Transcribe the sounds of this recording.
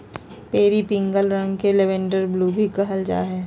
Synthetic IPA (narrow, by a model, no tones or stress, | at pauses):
peːɾipɪ̃ŋɡəlɾɐ̃ŋɡkeleʋẽɳɖəɾbluːbʱikɐɦəld͡ʒa̰ːɦɛː